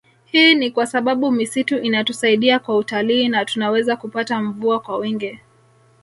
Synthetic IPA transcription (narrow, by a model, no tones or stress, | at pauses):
hiːnikwasaɓaɓumisituʔinatusaiɗiakwautaliːnatunawɛzakupataɱvuakwawiŋɡi